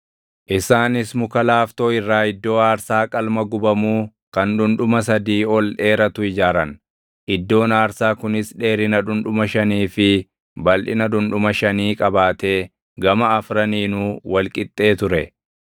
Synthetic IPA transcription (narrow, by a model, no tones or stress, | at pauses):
ʔɪsaːnɪsmʊkɐlaːft̪o̞ːɪrːaːɪd̪ːo̞ːaːɾsaːkʼɐlmɐɡʊbɐmuː | kɐnᶑʊnᶑʊmɐs̬ɐd̪iːɔlᶑe̞ːɾɐt̪ʊɪd͡ʒaːɾɐn | ʔɪd̪ːo̞ːnaːɾsaːkʊnɪsᶑe̞ːɾɪnɐᶑ̪ʊnᶑʊmɐʃɐniːfɪ | bɐlᶑɪnɐᶑ̪ʊnᶑʊmɐʃɐniːkʼɐbaːt̪e̞ː | ɡɐmɐɐfɾɐniːnuːwɐlkʼɪt̪ʼːe̞ːt̪ʊɾɛ